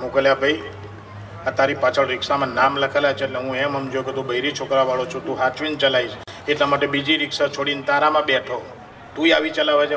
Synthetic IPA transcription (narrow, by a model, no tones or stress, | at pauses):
mukəljabʱəj | at̪aɾipat͡ʃʰəɭɾɪkʃamãnamləkʰəlat͡ʃʰeʈleɦũɛmɦəmd͡ʒoket̪ũbəiɾit͡ʃʰokɾaʋaɭot͡ʃʰũt̪ũɦat͡ʃʋint͡ʃəlaiʃ | eʈlamaʈebid͡ʒiɾɪkʃat͡ʃʰoɽint̪aɾamãbɛʈʰo | t̪ũiaʋit͡ʃəlaʋat͡ʃʰe